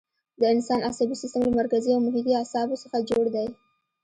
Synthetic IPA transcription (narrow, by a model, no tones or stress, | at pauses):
d̪əɪnsɑnʔasabisist̪əmlamaɾkaziawmʊɦik̪iasɑbosəxad͡ʒoɽd̪aj